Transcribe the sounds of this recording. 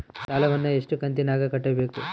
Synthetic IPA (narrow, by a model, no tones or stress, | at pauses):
ʃaːlɐʋɐnːueʂʈukɐnt̪inaːɡɐkɐʈːɐbe̞ːku